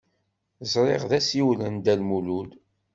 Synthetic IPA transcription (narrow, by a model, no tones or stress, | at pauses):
zˤɾˤeʁðæsiwlənd̪ælmulul